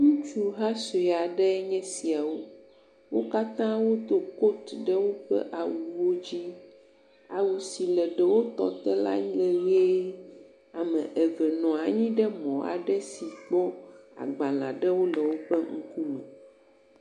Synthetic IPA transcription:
ŋũ˦t͡ʃu˦ɦa˦so˨ɛ˨a˨ɖɛ˦ɲɛ̃˦si˨a˨wo˦ | wo˦ka˦t̪ã˦wo˦t̪o˦ko˦t̪ɖɛ˦wo˦ɸɛ̰˦ʔa˨wu˨wo˦d͡ʑi˦ | a˨wu˨si˨lɛ˨ɖɛ˨wo˦t̪ɔ̰˦t̪ɛ˦la̰˦ɲ̃˦lɛ˨we˦ | a˨mɛ̃˨ʔɛ˨vɛ˨nɔ̃˨a˨ɲĩ˦ɖɛ˦mɔ̃˨a̰˨ɖɛ˦si˨k͡pɔ˦a̰˨ɡ͡ba˨lã̰˨ɖɛ˦wo˦lɛ˨wo˦ɸɛ˦ŋ̩˦ku˦mɛ̃˨

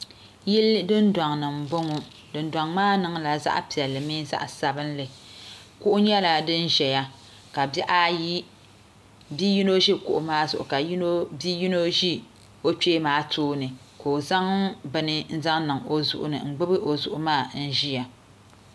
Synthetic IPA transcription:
ji˦ldɨ˦ndwa˨ŋnɨ˨m̩˨bʊ˦ŋʊ˦ | dɨ˨n˦dwa˨ŋmaː˦nɨ˨˦ŋla˨za̰˦ʔpi˨ɛ˨lːɨ˨miː˦za̰˦ʔsa˨bɨ˦n˦lɨ˨kʊ˦ʔʊ˦ɲɛ˦la˨dɨ˦n˦ʒɛ˨ja˦ | ka˨bɛ˦ʔa˦ji˦ | bi˦ji˦no˦ʒi˦kʊ˦˨ʔʊ˨maː˦zʊ̰˨ʔʊ˨ka˨ji˦no˦bi˦ji˦no˦ʒi˦ | o˦t͡ʃeː˦maː˦tʰoː˦nɨ˨ | ko˨za˦ŋbɨ˨nɨ˦n̩˦za˦ŋnɨ˨ŋo˦zʊ̰˦ʔʊ̰˦nɨ̰˨ŋ͡m̩˨ɡ͡bɨ˦bɨ˦ʔo˨zʊ˨ʔʊ˨maː˦˨n̩˦ʒi˦ja˨

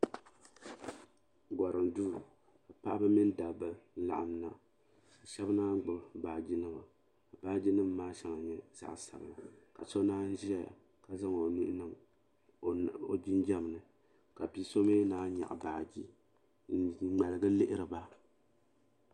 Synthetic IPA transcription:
ɡʷɔ˨ɾɨ˨mduː˦ | a˨pa˦ʔbɨ˦mi˦n˦da˨bɨ˦la̰˨ʔa˨mna˦ | a˨ʃɛ˦bnaː˦ɡ͡bɨ˨bbaː˨d͡ʒi˦nɨ˦ba˨ | a˨baː˦d͡ʒi˦nɨ˦m˦maː˦ʃɛ˦ŋa˨ɲɛ˦z̥a̰˦ʔsa̰˨bɨ˨na˨ka̰˨so˦naː˦n̩˦ʒi˦a˦a̰˨ | ka˨za˦ŋo˨ni˦ʔnɨ˨m˨ | o˨d͡ʒi˦nd͡ʒɛ˦m˨nɨ˨ | ka˨pi˦so˦meː˦naː˦ɲa̰˨ʔbaː˨d͡ʒi˦ | ŋ͡ma˨lɨ˨ɡɨ˦lɪ˦ʔɪ˦ɾɨ˨ba˦

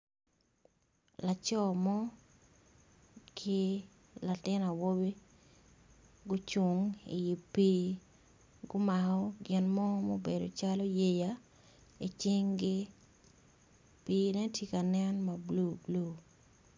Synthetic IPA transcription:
la˨t͡ʃɔ˦mɔ˦ | kʰɪ˦ | la˨tɪ˦na˨wo˦bi˦ | ɡʊ˦t͡ʃu˨ŋḭ˨ji˨piː˦ | ɡʊ˦ma˨kɔ˦ɡɪ˨nmɔ˦mo˦be˨do̰˨t͡ʃalo˦je˦ja | i˨t͡ʃɪ˦ŋɡɪ˦ | piː˦nɛ˦tʰji˦ka˨nɛ˦nma˨blu˦blu˦˨

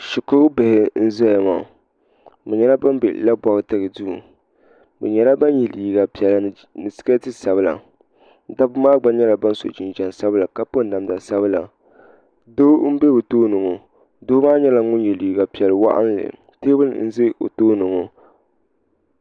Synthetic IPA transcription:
ʃɪ˨kʊ˦be˨hɪ˨˦n̩˦zɔ˦˨a˨ma˨ | bɛ˨ɲɛ˦la˦ba˦m˦bḛ˨la˦ba˨ɣɨ˦tɨ˦ɣɨ˨du˦˨ | bɛ̰˨ɲɛ˨la˦ba˦n˦ji˨li˨ɡa˨pi˨ɛ˨la˨ | nɨ˨sɨ̥˦ka˦tɨ˦sa˨bɨ˦la̰˨˦ | da˦bɨ˦maː˦ɡ͡ba˦ɲɛ˦la˨ba˦n˦so̰˨d͡ʒɪ˨nd͡ʒa˨nsa˦bɨ˦la˨ka˨po˦n˦da˨mda˨sa˦βɨ˦la̰˨ | do˦m̩˦be˦bɨ˨toː˦nʊ˨ŋo˨ | dʊ˦hʊ˦maː˦ɲɛ˦la˨ŋʊ˦nji˨liː˨ɡa˨pi˨ɛ˨lɨ˨wa̰˦ʔa̰˦n˦lɨ̰˨ | teː˦bɨ̰˦˨n̩˦zɨ˦o̰˨toː˦nʊ˨ŋo˨

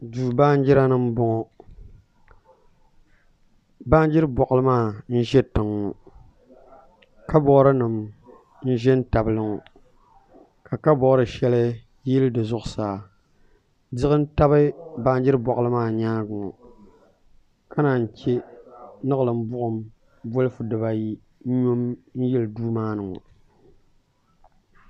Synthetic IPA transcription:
du˨ba˦n̩˦d͡ʒɪ˦ɾa˦nɨ˦m˦bʊ˨ŋɔ˨ | ba˦n˦d͡ʒɪ˦ɾɨ˦bɔ˨ʔlɨ˦maː˦˨n̩˦ʒɛ˦tɨ˨ŋːɔ˨ | ka˦bɔ˦ɾɨ˦nɨ˨m | n̩˦ʒɛ˦n̩˦ta˨bɨ˦lɨ˦ŋɔ˨ | ka˨ka˦bɔ˨˦ɾɨ˨ʃɛ˦lɨ˦ | jɪ˦ldɨ˨zʊ˦ʔʊ˨saː˨ | dɪ˦ɣɨ˦n̩˦ta˦bɨ˦ba˦n˦d͡ʒɪ˦ɾɨ˦bɔ˨ʔlɨ˦maː˦˨ɲaː˦ɡʊ˨ŋɔ˨ | ka˦na˨n̩˨t͡ʃe˦nɨ˦ɣɨ˨lɨ˨m̩˦bʊ˦ʔʊ˨m | bʊ˦lɨ˦fʊ˨dɨ˨βa˨ji˦ | ɲo˦mn̩˦jɛ˦lɨ˨duː˦maː˦nɨ˨ŋɔ̰˨

